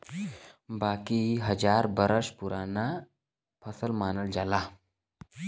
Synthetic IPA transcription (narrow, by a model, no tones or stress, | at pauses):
baːkiɦɐd͡ʒaːɾbəɾəʃpʊɾʔaːna | pʰɐsəlmaːnəld͡ʒaːlaː